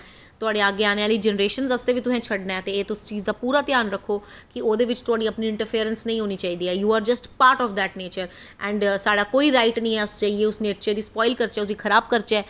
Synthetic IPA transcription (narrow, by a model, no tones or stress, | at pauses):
t̪ʊaːɖeːaːɡeːaːneːaːliːd͡ʒɛnəɾeːʃənzəst̪eːʋiːt̪ʊsɛ̃ːt͡ʃʰəɖnaːɛːt̪eːeːt̪ʊst͡ʃiːzd̪aːpuːɾaːt̪jaːnɾəkʰːoː | kɪoːd̪eːʋɪt͡ʃt̪ʊaːɽiːəpniːɪ̃ɳʈəɾpʰeːɾənsnəĩːɦoːniːt͡ʃaːiːd̪iːɛːjuːaːɾd͡ʒəsʈpaːɾʈɔːfd̪ɛːʈneːt͡ʃəɾ | ɛ̃ːɳɖsaːɖaːkoːiːɾaːɪʈnəĩːɛːʊst͡ʃaːieːʊsneːʈ̚t͡ʃəɾd̪iːspɔːɪlkəɾt͡ʃɛːʊs̬iːkʰəɾaːb̚kəɾt͡ʃɛː